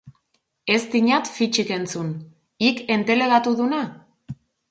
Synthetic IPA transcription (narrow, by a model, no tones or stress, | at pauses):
e̞st̪iɲat̪fit͡ʃike̞nt͡sun | ike̞nt̪e̞le̞ɣat̪uðuna